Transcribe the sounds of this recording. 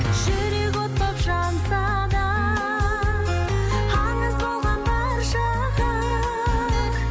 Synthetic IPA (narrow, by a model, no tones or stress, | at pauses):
ʒʏɾekwot̪̚pɑpʒɑnsɑ | d̪ɑ | ɑnəzbo̞lˠʁɑnbɑɾʃɑ | qə